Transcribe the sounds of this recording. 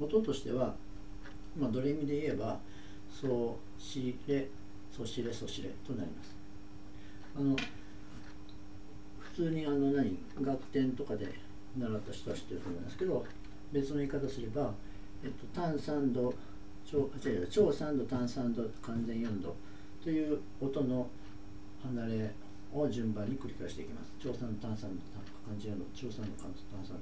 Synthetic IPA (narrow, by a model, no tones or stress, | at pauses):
mo̞t̪o̞t̪o̞ɕi̥t̪e̞βa | mad̪o̞ɾemʲid̪e̞ie̞ba | so̞ː | ɕiɾe̞ | so̞ɕiɾe̞so̞ɕiɾe̞̰t̪o̞na̰ɾʲḭmasɨ̥ | ano̞ | ɸɯ̟̥t͡sɨːɲ̟iano̞naɲ̟ḭ | ɡat̪ːẽ̞nt̪o̞kad̪e̞̰ | naɾat̪ːaçi̥t̪o̞aɕi̥t̪ːe̞ɾɯ̟t̪o̞mo̞ima̰sɨ̥ke̞d̪o̞ | be̞t͡sɨno̞iːkat̪asɨɾe̞ba | et̪ːo̞t̪ãɰ̃sãnd̪o̞ | t͡ɕoːat̪iβat͡ɕo̞ːsãnd̪o̞t̪ãɰ̃sãnd̪o̞kãnd͡zẽɰ̃jõnd̪o̞̰ | t̪o̞jɯ̟ː | ot̪o̞no̞ | hanaɾe̞ | o̞ʑɨ̃mbãɲ̟ːikɯ̟ɾʲikaiɕi̥t̪eḭkʲima̰sɨ̥t͡ɕo̞ːsãnd̪o̞t̪ãsãnd̪ot̪a | kãnzejond̪ot͡ɕo̞ːsãnd̪o̞kã | t̪ãsãnd̪o